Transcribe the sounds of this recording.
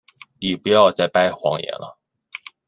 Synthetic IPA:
ni˨˩pu˧˥jɑ˥˧ʊt͡sa˥˩ɪpa˥˩ɪxwɑ̰˧˥ŋjɛ̰˧˥nə̰˧

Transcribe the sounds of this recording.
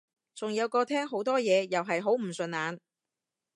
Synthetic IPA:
t͡sʊ˨˩ŋjɐ˨˧wkɔː˧t̪ʰɛː˥ŋɦo˨˥wt̪ɔː˥jɛː˨˧jɐ˨wɦɐ˨jɦo˨˥wm̩˨˩sɵ˨˧nːaː˨˧n

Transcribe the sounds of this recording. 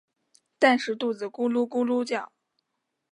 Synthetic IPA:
t̪a˥˧nʂɻ̩˥˧t̪u˥˩d͡z̩˨˩ku˥lu˥ku˥lu˥t͡ɕjɑ˥˩ʊ

